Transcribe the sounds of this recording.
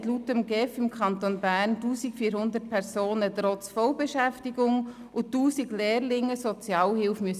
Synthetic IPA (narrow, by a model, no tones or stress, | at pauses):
tlutəmɡɛfɪmkʰχɑnt̪onbæːrntuːsikfiːɾhʊnd̪ət̚pʰɛɾsoːnətɾɔt͡sfɔwbɛʃæftiɡʊŋ | ʊtuːsiɡlɛːrlɪŋəsɔt͡sjɑːlhɪlfmyəs